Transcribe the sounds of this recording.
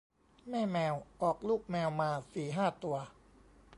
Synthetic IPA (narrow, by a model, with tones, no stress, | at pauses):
mɛː˥˩mɛː˧wʔɔː˨˩k̚luː˥˩k̚mɛː˧wmaː˧siː˨˩ɦaː˥˩t̪u˧ɐ